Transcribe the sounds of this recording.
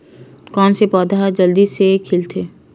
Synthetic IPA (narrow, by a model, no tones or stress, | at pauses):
kɔːnsepɔːd̪ad͡ʒəld̪isekʰɪlt̪ʰeː